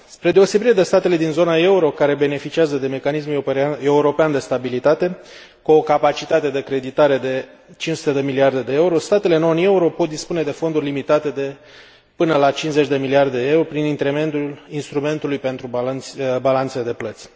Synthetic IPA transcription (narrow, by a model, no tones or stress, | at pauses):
spɾe̞d̪e̞o̞se̞biɾed̪e̞st̪at̪e̞le̞d̪inzo̞nae̞uɾo̞kaɾe̞be̞ne̞fit͡ʃiazəd̪e̞me̞kanisme̞uɾo̞peand̪e̞st̪abilit̪at̪e̞ | kuo̞kapat͡ʃit̪at̪e̞d̪ekɾe̞d̪it̪aɾe̞d̪e̞t͡ʃinsut̪e̞d̪e̞miliard̪e̞d̪e̞euɾo̞st̪at̪e̞le̞no̞ne̞uɾo̞po̞t̪̚d̪ispune̞d̪e̞fo̞nd̪urʲlimit̪at̪e̞d̪e̞ | pɨnəlat͡ʃinzet͡ʃʲd̪e̞miliard̪eee̞uɾopɾinint̪ɾeme̞nt̪ulinst̪ɾume̞nt̪ulujpe̞nt̪ɾubalant̪sed̪e̞plət̪sʲ